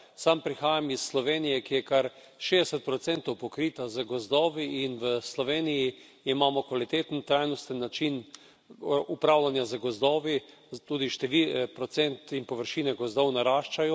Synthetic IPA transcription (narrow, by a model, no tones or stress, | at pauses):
sampɾixaːjamisːlɔʋeːnijɛkijɛkaɾ | ʃed̪ɛsɛt̪̚pɾɔt̪sɛnt̪ɔwpɔkɾiːt̪azəɡɔzd̪ɔːʋiːnʋəslɔʋeːniji | imaːmɔkʋalit̪eːt̪n̩t̪ɾajnɔst̪ənːat͡ʃin | ʔupɾaːwlanjazəɡɔzd̪ɔːʋi | t̪uːd̪iʃt̪ɛʋipɾɔt̪sɛnt̪inpɔʋəɾʃiːnɛɡɔzd̪ɔwnaɾaːʃt͡ʃajɔ